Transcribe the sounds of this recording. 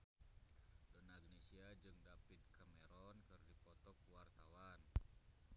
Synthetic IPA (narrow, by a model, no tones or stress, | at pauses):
dɔnaɡnesiad͡ʒɨŋdapid̪̚kʰamɛɾɔnkɨrdipɔt̪ɔkuwart̪awan